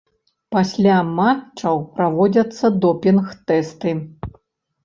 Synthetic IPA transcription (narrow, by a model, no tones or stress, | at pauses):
pasʲlʲamat͡ʂɐwpɾavɔd͡zʲɐt̪sːɐd̪ɔpʲinxt̪ɛst̪ɨ